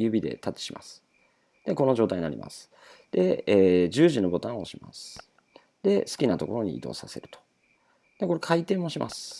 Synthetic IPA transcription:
jɯ̟ːbʲid̪e̞̰t̪at̪ːe̥ɕima̰sɨ̥ | d̪̥e̞ko̞no̞ʑo̞ːt̪ajiɲ̟ina̰ɾḭma̰sɨ̥ | d̪̥e̞eːd͡ʑɨːʑino̞bo̞t̪ãoɕima̰sɨ̥ | d̪̥e̞sɨ̥kʲinat̪o̞ko̞ɾo̞ɲ̟ḭːd̪o̞̰ːsase̞̰ɾɯ̟t̪o̥ | d̪̥eko̞ɾe̞kʰait̪e̞ːmːo̞ɕimʔa̰sɨ̥

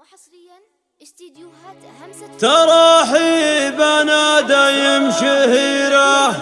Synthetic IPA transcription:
t̪ɑɾˤɑːħibanaːd̪ajɪmʃihiːɾa

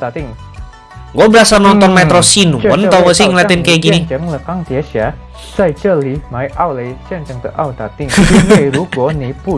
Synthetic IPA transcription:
t̪ɪŋ | ŋɡɔbəɾasanɔnt̪ɔnmɛtt̪ɾosinuənɔwəsɪŋlat̪ɪnkeɡinid͡ʒəŋləkaŋt̪iasa | sajt͡ʃəlimajʔawlejsənt͡ʃəŋt̪əʔawt̪at̪ɪŋejɾuɡɔnipu

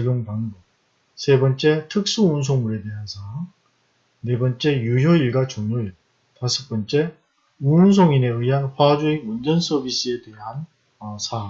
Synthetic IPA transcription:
t͡ɕeɡjoŋpanbo | sʰe̞bʌnt͡ɕ͈e̞tʰɯk̚s͈uuns̬ʰoŋmuɾe̞de̞ɦansʰa | ne̞bʌnt͡ɕ͈e̞jujoiɭɡat͡ɕoŋɲoiɭ | tasʰɯ̥k̚p͈ʌnt͡ɕ͈e̞ | uns̬ʰoŋine̞ɯiɦanɸwad͡ʑuimund͡ʑʌns͈ʰʌbis͈ɯe̞de̞ɦan | ʌsʰa

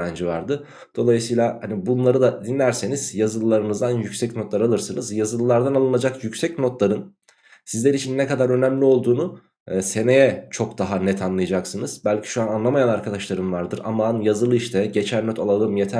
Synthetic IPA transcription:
and͡ʒivaɾd̪ɯ | d̪̥o̞lˠajɯsɯjlʲˠahanibunlˠaɾɯd̪ad̪inlʲæɾse̞niz̥jazɯlˠɯlˠaɾɯnɯzd̪anjycsɛcno̞t̪lˠaɾalˠɯɾsɯnɯzjazɯlˠɯlˠaɾd̪analˠɯnad͡ʒakjycsɛcno̞t̪lˠaɾɯn | sizlʲeɾit͡ʃʰinːɛkad̪aɾø̞næmlʲio̞lˠd̪uːnu | se̞ne̞jɛt͡ʃʰo̞kd̪aɦanɛt̪ʰanlˠɯjad͡ʒaksɯnɯz̥bælʲcʰi̥ʃuananlˠamajanaɾkʰad̪aʃlˠaɾɯnvaɾd̪ɯɾa̰manjazɯlˠɯiʃt̪ʰɛɟe̞t͡ʃʰænːøt̪ʰalˠalˠɯmjet̪ʰæ

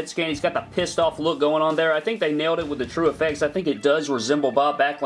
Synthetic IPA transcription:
d̥skæ̃nizɡɑt̪̚ðəpʰɪstɔflʊk̚ɡ̥oʊɪ̃ŋə̃nðə˞aɪθɪ̃ŋk̚ðeɪneɪlˠɾɨt̚wəðɨtʰɹ̥ʉəfɛk̚tsaɪθɪ̃ŋkɨt̚d̥ʌzɹɨzɛ̃mbl̩ˠbab̥ækl

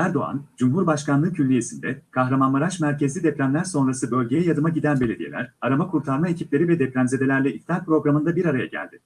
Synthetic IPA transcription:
æɾd̪o̞a̰nd͡ʒumɦuɾbaʃkanlˠɯːcʰylːʲije̞sind̪ɛkʰaɦɾamanmaɾaʃmæɾcezlʲid̪ɛplʲæmlʲæɾso̞nɾasɯbø̞lʲɟe̞jɛjad̪ɯmaɟid̪ænbe̞lʲe̞d̪ije̞lʲæ̰ɾaɾamakʰuɾt̪ʰaɾmae̞cʰiplʲe̞ɾivɛd̪ɛplʲæmze̞d̪e̞lʲæɾlʲɛift̪ʰʲaɾpɾo̞ɡɾamɯnd̪abiɾaɾajaɟæ̰lʲd̪̥ɪ

